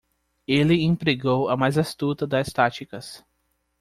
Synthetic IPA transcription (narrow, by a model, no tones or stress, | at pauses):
elɪĩpɾeɡowɐmajzast̪ut̪ɐd̪ɐst̪at͡ʃikɐs